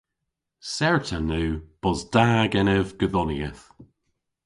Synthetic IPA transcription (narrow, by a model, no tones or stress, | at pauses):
sɛɹtʰənʉːb̥ɔzdaːɡɛnɛvɡ̥əðɔniəθ